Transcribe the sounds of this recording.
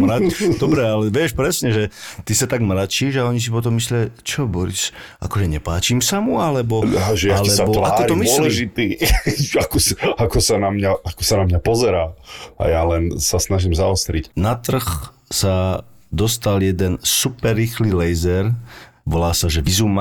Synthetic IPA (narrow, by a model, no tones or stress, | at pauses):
mɾad̪̥ɔbɾɛalɛʋɪɛʃpɾɛsɲɛʒɛt̪isat̪aɡmɾat͡ʃiʒaɔɲis̬ipɔt̪̬ɔmːislɪat͡ʃɔbɔɾḭs | a̰kɔʒɛɲɛpaːt͡ʃimsamualɛbɔaʒɛjaalɛsabɔʋaːkɔɾt̪miɔlɛʒit̪iːakɔsakɔsanamɲaakɔsanamɲapɔzɛɾaːa̰jalɛnsasnaʒiːmzaɔst̪ɾicnat̪r̩x | sad̪ɔst̪aljɛd̪ɛnsupɛrːiːxlilɛjzɛɾʋɔlaːsaʒɛʋizuma